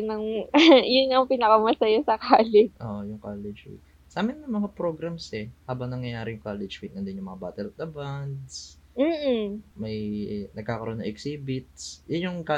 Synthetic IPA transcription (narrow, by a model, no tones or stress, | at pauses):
nɐŋjʊnːɐŋpɪnɐkɐmɐsɐjasɐkaːlɪʔoːʔojʊŋkaːlɛd͡ʒfḭt̪̚ | saːmɪnːɐmɐŋapɾo̞ɡɾɐmsɛhaːbɐŋnɐŋjɐjaːɾɪjʊŋkalɛd͡ʒwit̪nɐnd̪ɪnjʊŋmɐŋabaːt̪ɛlɐt̪̚d̪ɐband̪s | m̩ːmɐjnɐɡ̚kaːkɐɾʔonɐŋʔɛksiːbɪt̪̚sjʊnjʊŋka